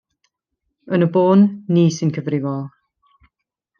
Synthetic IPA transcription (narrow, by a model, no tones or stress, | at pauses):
ənəboːnːiːsɪnkʰəvrivɔ